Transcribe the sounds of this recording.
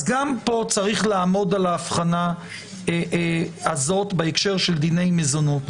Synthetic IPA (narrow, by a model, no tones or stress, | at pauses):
azɡampo̞t͡saʁiχlaːmo̞dalaːfχana | azo̞t̪beekʃe̞ʁʃe̞ld̪ine̞jmezonot̪